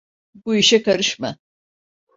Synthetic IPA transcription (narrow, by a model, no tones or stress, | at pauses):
buiʃɛkaɾɯʃma